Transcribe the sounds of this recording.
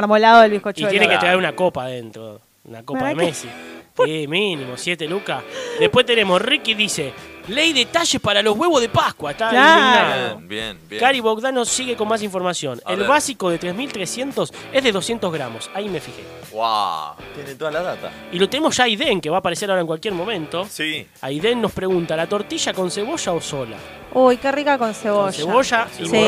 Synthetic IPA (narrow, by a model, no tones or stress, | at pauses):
ɾmolaðoðelβikot͡ʃ̪ojeneket̪ɾaeɾunako̞paðent̪ɾo̰ | ṵnakopaðemesiiminĩmosje̞t̪elukaðepwe̞ht̪ene̞mosrikiðiselejðet̪aʃe̞spaɾalo̞ɦɣwe̞βoðepakwaet̪alaabjenbjkaɾiβok̚ðanosiɣekonmas̬iɱfo̞ɾmasjo̞̰nelβasiko̞ðet̪ɾezmilt̪ɾesje̞nt̪o̞se̞ɦðe̞ðo̞sjent̪o̞ɦɣɾa̰mo̞saime̞fixḛ | wa̰t̪jenet̪oðalaðat̪a̰ | ilo̞t̪enemoʒ̥aiðeŋkeβaːpaɾeseɾaoaeŋkwalkjeɾmõ̞mẽ̞nt̪o̞si | a̰jðenːo̞spɾeɣunt̪alat̪o̞ɾt̪iʒako̞nseβo̞ʃaosola̰ | ujkerikakõnseβoʃseβoʃasi